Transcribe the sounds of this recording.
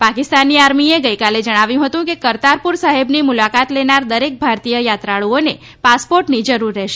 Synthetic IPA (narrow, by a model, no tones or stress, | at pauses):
pakɪst̪anːiaɾmieɡəjkaled͡ʒəɽ̃aʋjũɦət̪ũkekəɾt̪aɾpuɾsaɦebnimulakat̪lenaɾd̪əɾek̚bʱaɾt̪ijəjat̪ɾaɭuone | paspoɾʈnid͡ʒəɾuɾːɛʃe